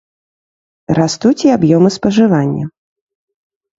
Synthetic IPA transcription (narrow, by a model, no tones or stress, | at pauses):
ɾast̪ut͡sʲiabjɔmɨspɐʐɨvanʲːɐ̰